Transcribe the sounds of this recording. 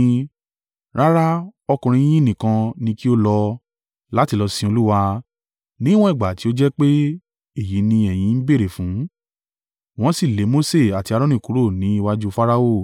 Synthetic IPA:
ɾa˦ɾa˦ɔ˧kũ˧ɾ̃ĩ˧˦j̃ĩ˦˨nĩ˨kã˧nĩ˧ki˦o˦lɔ˧ | la˨˦ti˧lɔ˧sĩ˧o˧lu˦wa˧ | nĩ˦w̃ɔ̃˦i˦˨ɡ͡ba˨ti˨˦o˦d͡ʒɛ˦k͡pe˦ | e˦˨ji˨˦nĩ˧ɛ˨j̃ĩ˨˧˦n̩˦be˦˨ɾe˨fũ˨˦ | w̃ɔ̃˨˦si˦˨le˨˦mo˦se˦˨a˨ti˧a˧ɾɔ̃˦nĩ˦˨ku˨˦ɾo˦˨nĩ˨˦i˦wa˦d͡ʒu˦fa˦ɾa˦o˦˨

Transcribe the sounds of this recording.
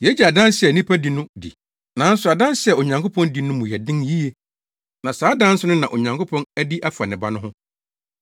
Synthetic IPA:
jɛ˦d͡ʑɛ˨a˨dã˦nsɪ˨ɛ˨nĩ˦pʰæ˦di˨nʊ̃˦dḭ˨ | nã˨˦n̩˦sʊ˨a˨dã˦n˦sɪ˦ɛ˨o˨ɲã˨ŋko˦pʰɔ̃˦ndi˨nʊ̃˦mũ˨jɛ˨dɪ̃˦nji˦e˦ | nã˨saː˨˦dã˦n̩˦sʊ˦nʊ̃˦nã˨ʔo˨ɲã˨ŋko˦pʰɔ̃˦næ˦di˦ʔa˦fa˨nɪ̃˨ba˦nʊ̃˦ɦʊ̃˦

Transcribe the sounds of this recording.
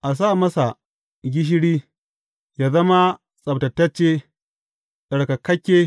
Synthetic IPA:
ʔa˨s̬aː˦˨mɐ˦sa˨ | ɡʲɪ˦ʃ̬ɪ˦ɽiː˦ | jaː˦zɐ˦ma˦ | sʼɐ˨btɐ˨tːɐ˦t͡ʃːeː˦ | ʔɐ˨ɽka˨kɐ˦kʲːeː˦

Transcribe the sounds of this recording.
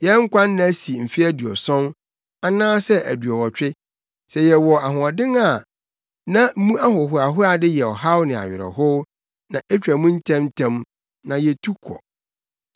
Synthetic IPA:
jɛ˦ŋ̩˦kʷã˦ñː˦˨æ˦si˨m̩˨fi˦æ˦dɥɔ̰˨sɔ̃˦n | a˨nãː˦sɛ˦ʔæ̰˨dɥɔ˨wɔ˨t͡ɕᶣɪ˦ | sɛ˨jɛ˨wɔ˨a˨ɦʊ̃˨ɔ˨dɪ̃˦ŋa˨ | nã˦m̩˦mũ˦a˦ɦʊ˨ɦʊ˨a˨ɦʊ˦a˨dɪ˦jɛ˨ɔ˨ɦa˦wnɪ̃˨a̰˨ɥɪ˨ɾɛ̰˨ɦʊ˦ | nã˨ʔɛ˦t͡ɕᶣɾæ˨mũ˦n̩˦tʰã˦m˦tʰã˦m | nã˨jɛ˨tʰu˦kʰɔ̰˨

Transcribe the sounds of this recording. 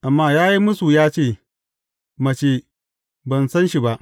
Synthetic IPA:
ʔa˨mːaː˦jaː˦ji˦mʊ˦su˨jaː˦t͡ʃeː˦˨ | mɐ˨t͡ʃeː˦˨ | bɐ˨nsɐ˦nʃi˨ba˦ʔ

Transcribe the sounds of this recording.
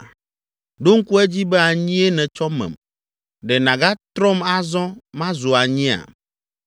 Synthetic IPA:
ɖo˦ŋ̩˦ku˦ɛ˦d͡ʑi˦bɛ˦a˨ɲĩ˦e˦nɛ̃˨t͡ʃɔ˦mɛ̰̃˨m | ɖɛ˨nã˨ɡa˦t̪ɾɔ˦ma˦zɔ̃˦mã˦zu˨a˨ɲĩ˦a̰˨

